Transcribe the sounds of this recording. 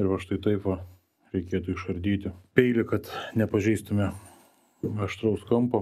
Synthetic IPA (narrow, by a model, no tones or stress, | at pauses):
ɪɾʋɐʃt̪ɐɪt̪ɐɪpʋɐ | ɾʲɛɪkʲeːt̪ʊɪʃɐɾʲd̪ʲiːt̪ʲɪpʲɛɪlʲɪkɐt̪nʲɛpɐʒʲɛɪst̪ʊmʲɛ | ɐʃt̪ɾɐʊskɐmpɐ